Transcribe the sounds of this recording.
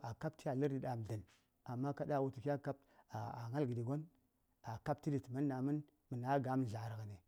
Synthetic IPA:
a˨ka˦p̚ti˦ja˨lə˦ɾdi˨ɗa˨m˨ɮə˨n | a˨mːa˦ka˦da˦˨wu˦ti˨ki˦ja˦ka˦p̚ | a˨a˨ŋa˦lɡi˨di˨ɡo˦n | a˨ka˦p̚ti˦di˨tma˦nːa˨mə˦n | mə˨na˨˦ɡa˨˦m˦˨ɮa˨ɾɣne˨

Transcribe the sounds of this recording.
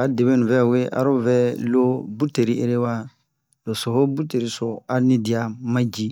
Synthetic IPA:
a˨de˨βẽ˦nũ˨vɛ˦˨we˦ʔa̰˨˦ɾo˦vɛ˦lo˦bu˦te˨ɾi˦ḛ˦ɾe˦wa˦ | lo˨so˨ho˦bu˦te˨ɾi˦so˨a˦nĩ˦di˨a˦mã˦d͡ʒi˦

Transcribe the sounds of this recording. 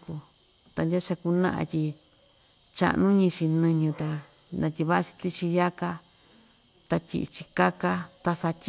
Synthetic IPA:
ku˧ | t̪a˧ndʲa˦t͡ʃa˧ku˧nã̰˦ʔã̰˧tʲi˧ | t͡ʃa̰˧ʔnũ˦ɲĩ˧t͡ʃi˧nɨ̃˧ɲũ˧t̪a˧ | nã˧tʲi˧βa˦˧t͡ʃi̥˧t̪i˦t͡ʃi˧ja˦ka˧ | t̪a˧tʲḭ˧ʔt͡ʃi˧ka˦ka˦t̪a˧sa˧t̪ʲ

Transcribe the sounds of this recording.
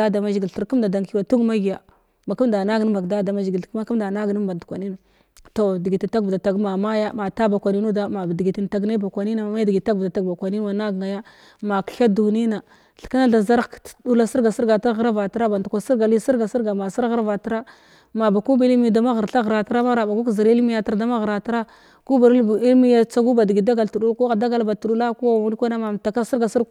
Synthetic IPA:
a˦da˨ma˦ʒi˨ɡi˨ɬu˨ɾku˦mda˨da˨ŋki˦wa˨tu˦ɡma˦ɡi˨ja˨ | ma˨ku˦mda˨na˦ɡn˦ba˨ɡda˦da˨ma˦ʒi˨ɡi˨˦ka˦ku˦mda˨na˦ɡni˦mba˨n˨du˨kʷa˨ni˦na˨ | to˨di˨ɡi˨ti˨ta˦ɡda˨ta˨ɡma˨ma˦ja˦ma˨ta˦ba˨kʷa˨ni˦nu˦da˦ma˨bdi˨ɡi˨ti˨n˨ta˨ɡna˦ba˨kʷa˨ni˦na˨ma˨ma˦ja˦dɡi˨˦ta˦ɡvda˨ta˨ɡba˨kʷa˨ni˦n˦wa˨na˦ɡŋa˨ja˦ | ma˨kɬa˦du˨ni˦na˨ | ɬka˦na˦ɬa˨za˦ɾdu˦la˦si˦ɾɡa˨si˦ɾɡa˨ta˦ɣɾa˦va˨tɾa˦ba˨n˨tu˨kʷa˨si˦ɾɡa˨li˦si˦ɾɡa˨si˦ɾɡa˨ma˨si˦ɾɣa˦ɾva˨tɾa˦ | ma˨ba˨ku˦ba˦li˦mi˦˨da˨ma˦ɣə˨ɾɬa˦ɣɾa˨ta˦ɾa˦ma˦ɾa˨ba˨ɡu˦kzi˨ɾi˦lmi˦ja˨ta˨ɾda˦ma˦ɣɾa˨ta˦ɾa˦ | ɡ̥u˦ba˨ɾi˦lmi˦ja˦t͡sa˦ɡu˦ba˨di˨ɡi˨da˦ɡa˨ltu˨ɗu˦ku˦a˨da˦ɡa˦lba˨tu˨ɗu˦la˦ku˦a˦˨u˦lkʷa˦na˦ma˨m˨ta˨ka˦si˦ɾɡa˨si˦ɾ

